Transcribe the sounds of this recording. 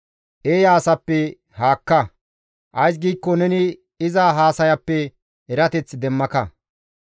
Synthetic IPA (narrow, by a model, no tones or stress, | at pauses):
ʔeːjaːsɐpːɛ | haːkːɐ | ʔɐjs̬ɡiːkːɔnɛnɪ | ɪzaɦaːsɐjɐpːɛ | ɛɾɐt̪ɛt͡sːd̪ɛmːɐkɐ